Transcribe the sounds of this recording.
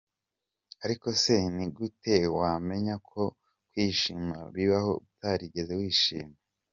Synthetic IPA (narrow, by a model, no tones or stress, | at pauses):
aɾiko̞se̞niɡute̞wame̞ɲakʰo̞ | kwiːʃiːmaβiβaho̞̰βutaɾiɟe̞zewiːʃḭːme